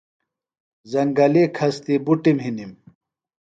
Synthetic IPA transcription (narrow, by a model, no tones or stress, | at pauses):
zɐŋɡɐlekʰɐst̪ibuʈimɦinim